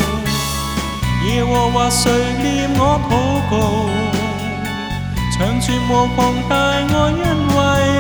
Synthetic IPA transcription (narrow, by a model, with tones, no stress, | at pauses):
jɛː˨˧wɔː˨˩waː˧sɵ˧ɥli˧˥mŋɔː˨˧t̪ʰo˨˥wko˧w | t͡sʰœ˨˥ŋsʰyː˧nwo˧kʰɔ˧ŋt̪aː˧jŋɔː˧jɐ˥˩nwɐ˧j